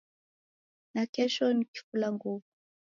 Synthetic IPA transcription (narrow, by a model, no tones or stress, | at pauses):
nakɛʃɔniki̥fulaŋɡuvu